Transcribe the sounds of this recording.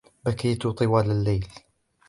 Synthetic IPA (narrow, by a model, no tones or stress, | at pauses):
bækiːt̪ʊt̪ˤɨwaːlalːejl